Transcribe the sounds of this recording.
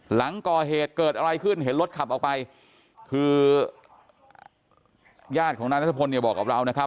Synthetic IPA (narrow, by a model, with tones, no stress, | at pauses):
la˩˦ŋkɔː˨˩ɦeː˨˩t̪̚kɤː˨˩t̪̚ʔa˧ɾa˧jkʰɯ˥˩nhe˩˦nlo˦˥t̪̚kʰa˨˩p̚ʔɔː˨˩wpa˧j | kʰɯː˧ | jaː˥˩t̪̚kʰɔː˩˦ŋa˧˥nɾa˦˥t̪ʰːa˧pʰo˧nːi˧˩bɔː˨˩kːa˨˩p̚ɾa˧wna˦˥kʰa˦˥p̚